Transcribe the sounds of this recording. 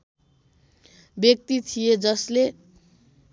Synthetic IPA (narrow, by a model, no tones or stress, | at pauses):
bjʌk̚t̪it̪ʰijed͡zʌsle